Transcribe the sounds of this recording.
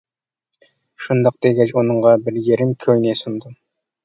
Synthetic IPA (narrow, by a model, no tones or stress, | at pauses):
ʃund̪ɑq̚d̪̥eɡʲɛt͡ʃonɨɴʁɑbɪɾjeɾɪmkʲʰøjnesund̪ɨ